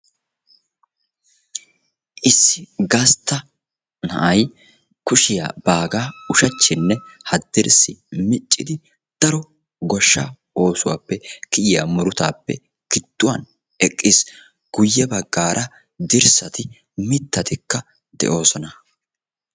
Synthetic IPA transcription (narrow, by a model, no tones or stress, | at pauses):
ʔɪsːɪɡɐst̪ːɐ | nɐ̰ʔɐj | kʊʃɪja̰b̥aːɡaːʊʃɐt͡ʃːɪnːɛhɐd̪ːɪɾsɪmɪt͡ʃʼːɪd̪ɪ | d̪̥ɐɾɔ | ɡɔʃːa̰ | o̞ːsʊwa̰ːpːɛkɪʔɪja̰mɔɾʊt̪a̰ːpːɛ̰ | kɪt̪ːʊwɐ̰n | ɛkʼːɪs | ɡ̥ʊjːɛbɐɡːaːɾʔɐ | d̪ɪɾsɐt̪ɪ | mɪt̪ːɐt̪ɪkːɐ | d̪̥ɛ̰ʔo̞ːsɔnɐ